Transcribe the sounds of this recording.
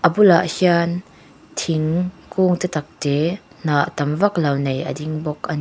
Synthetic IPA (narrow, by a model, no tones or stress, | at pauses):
ʔəbulaʔhian | t̪ʰiŋkuːŋt̪ɛt̪ɐk̚te | naʔt̪ɐmvɐklɐwnejʔə̰diŋbɔkʔɐni